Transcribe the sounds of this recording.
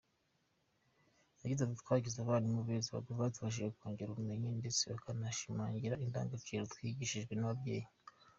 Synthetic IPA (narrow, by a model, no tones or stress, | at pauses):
naɟizattwaːɡizaβaːnimuβeziβa̰ɡovaːtuβaʒiʒekukoːŋɡeɾuɾume̞ɲende̞t͡seβakʰanaʃimaːŋɟiɾainda̰ːŋɡat͡ʃiɾotwiɡiʃiʒɡwe̞naβabɟe̞̰ːji